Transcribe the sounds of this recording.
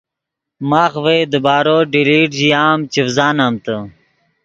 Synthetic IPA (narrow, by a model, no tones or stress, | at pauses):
maːxʋeːd̪əbaːɾoːɖiliːʈʑiaːmt͡ɕifzaːnaːmt̪ə